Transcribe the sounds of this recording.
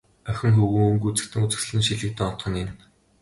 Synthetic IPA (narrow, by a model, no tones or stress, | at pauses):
œxʲɪ̆ŋxɵɣuːŋɡut͡sɘ̥̆kt̪ʰɘ̆ŋut͡sɘ̆s̆ɮɘ̆nʃiɮɘ̆k̚t̪ɘ̆ŋɔt̪χɞ̆nen